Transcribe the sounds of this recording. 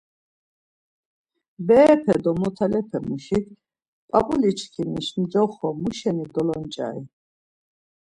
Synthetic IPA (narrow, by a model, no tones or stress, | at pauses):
bɛːpʰɛd̪ɔmɔt̪ʰalɛpʰɛmuʃik̪ʰ | pʼabʼulit͡ʃʰkʰiniʃmd͡ʒɔχɔmuʃɛnid̪ɔlɔnt͡ʃʼa̰ḭ